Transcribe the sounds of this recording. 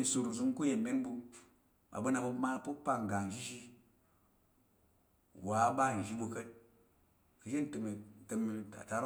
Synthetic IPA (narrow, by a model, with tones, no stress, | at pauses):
i˨su˨ɾzu˧ŋ˦ku˦je˨me˦n˦bu˧ | ɓa̰˨bu˦na˧bu˧˦ma˦pu˦pa˧ŋ˨ɡa˨ŋ˨ʒi˦ʃi˦ | wa˨˦ɓa˦˨n˨ʒi˦bu˧kə˦t̚ | kɨ˨ʃe˦n̩˨tə˧mi˨tə˧mi˧ta̰˨ta˦ɾ